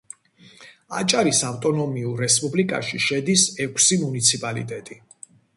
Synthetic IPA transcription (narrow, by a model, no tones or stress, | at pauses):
a̰t͡ʃʼaɾisaft̪ʼɔnɔmiuɾːɛspʼublikʼa̰ʃiʃɛd̪isɛkʷʰsimunit̪sʰipʼalḭt̪ʼɛt̪ʼi